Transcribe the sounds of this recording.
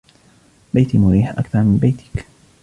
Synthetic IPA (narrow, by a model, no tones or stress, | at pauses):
bajt̪imʊɾiːħʔa̰kθɑɾˤmɪnbajt̪ʰɪ̥k